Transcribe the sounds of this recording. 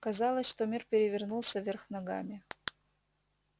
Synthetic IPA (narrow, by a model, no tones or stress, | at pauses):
kɐzɑlˠəsʲʂt̪omʲirpʲɪɾʲɪvʲɪrnulˠsʲəvʲerxnɐɡa̰mʲɪ